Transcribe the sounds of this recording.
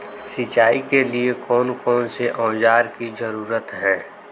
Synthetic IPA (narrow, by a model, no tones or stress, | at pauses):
sɪt͡ʃaːikeliekɔːnkɔːnseʔɔ̃ːd͡ʒaːɾkizəɾuːɾət̪ɦɛ̃ː